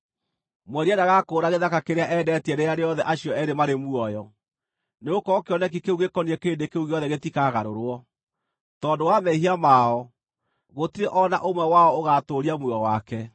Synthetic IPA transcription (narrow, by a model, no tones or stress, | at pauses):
mwɛɾiɛnaɣakoːɾaɣeðakakeɾeaʔɛdɛtiɛɾejaɾeɔðɛʔaɕiɔɛɾemaɾemuɔjɔ | neokɔkeɔnɛk̬ikeuɣekɔniɛkeːndekeuɣeɔðɛɣetikaːɣaɾoɾwɔ | tɔːdowamɛiɦiamaːɔ | ɣotiɾeʔɔnaʔomwɛwaɔoɣatoɾiamwuɔwakɛ